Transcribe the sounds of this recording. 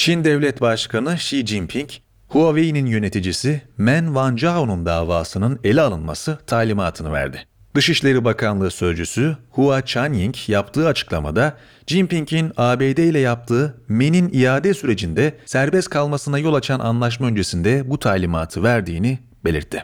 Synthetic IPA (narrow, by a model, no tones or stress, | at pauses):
t͡ʃʰind̪ɛvlʲɛt̪baʃkanɯʃid͡ʒimpʰiɲc | huavejininjø̞ne̞t̪ʰid͡ʒisimænvand͡ʒaonund̪aːvaːsɯnɯne̞lʲialˠɯnma̰sɯt̪ʰaːlʲimaːt̪ʰɯnɯvæ̰ɾd̪ɪ | d̪̥ɯʃiʃlʲe̞ɾibakʰanlˠɯːsø̞zd͡ʒysyhuat͡ʃʰanjiɲcjapt̪ʰɯːat͡ʃʰɯ̥klˠama̰d̪a | d͡ʒimpiɲcʰinaːbeːd̪ejlʲɛjap̚t̪ʰɯːme̞ninijaːd̪ɛsyɾe̞d͡ʒind̪ɛsæɾbɛskʰalˠmasɯnajo̞lˠat͡ʃʰanʔa̰nlˠaʃ̬maø̞nd͡ʒe̞sind̪ɛbut̪ʰaːlʲimaːt̪ʰɯvæɾd̪iːni | be̞lʲḭɾt̪ʰːi